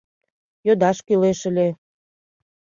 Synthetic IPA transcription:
jød̪ɑʃkyleʃəlʲe

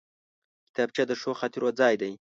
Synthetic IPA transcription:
kɪ̥t̪ɑb̚t͡ʃad̪əʂoxɑt̪iɾʔod͡zɑːjd̪aj

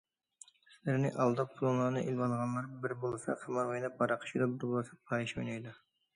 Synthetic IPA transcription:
sɪlɪɾnɪ̰ʔɑlˠd̪ɑpʰʊlˠunlˠɑɾnɨʔilˠwɑnʁɑnlˠɑɾbɪɾbolˠɨsɑ̰qʰɑmɑojnɑp̚bɑɾɑqʰə̥ʃʰid̪ɑbɪɾbolˠɨsɑpʰɑiʃojnɑjd̪ɑ

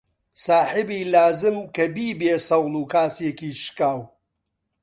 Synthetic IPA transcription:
saːħɨbiːlaːzɨmkɐbiːbeːsɐwlˠuːkaːsjekiːʃkaːw

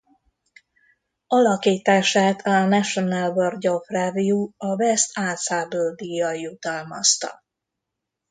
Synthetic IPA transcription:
ɒlɒkiːt̪aːʃaːt̪ʰɒnɛʃonalborɟo̞fravijuɒvɛst̪aːsaːbøːd̪ijɒjjut̪ɒlmɒ̰st̪ɒ̰

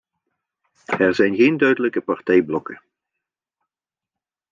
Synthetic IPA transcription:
ɛɹzɛjnɣeːndœɥdələkəpaɹtɛjblɔkə

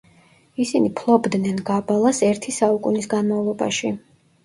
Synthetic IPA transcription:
isinipʰlˠɔbd̪nɛnɡabalˠasɛɾt̪ʰisaukʼunisɡanmavlˠɔba̰ʃi

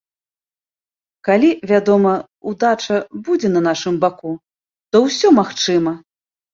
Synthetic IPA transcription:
kalʲivʲad̪ɔmɐ | ud̪at͡ʂɐbud͡zʲɛnɐnaʂɨmbaku | t̪ɔwsʲɔmaxt͡ʂɨmɐ

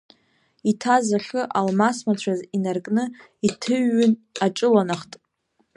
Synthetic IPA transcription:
itʰazaχɨʔalmasmat͡ɕʷʰazinarkʼnɨ | itʰɨɥːʏnaʈ͡ʂʼɨlanaχtʼ

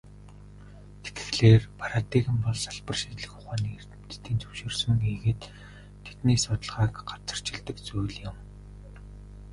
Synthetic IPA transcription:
t̪ʰe̥t̪ɡɘ̥̆xɮeːrpʰaɾat̪iɣɘ̆mpɔɮsaɮpə̆rʃit̪ɮɘ̆xʊχaːniːer̥t̪ɘ̆m̥t̪ɘ̆t̪iːnt͡sɵwʃeːrsɵ̆ŋɡiɣeːt̪ʰː | et̪neːsʊt̪ə̆ɮʁaːkɢḁt͡sə̆r̥t͡ɕɪ̆ɮt̪ə̆kt͡sujɮjɪ̆m

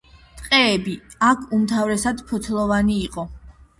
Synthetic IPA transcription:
t̪ʼqʼɛːbiakʰumt̪ʰavɾɛsad̪pʰɔt̪ʰlˠɔvaniːqʼɔ

